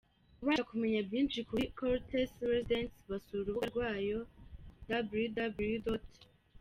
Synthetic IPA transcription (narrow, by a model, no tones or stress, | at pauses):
kuβaakume̞ɲabjiːnʃikukoɾtʰesɾezidentβasuɾuβuaɾɡwaːjo̞dabljudabljudot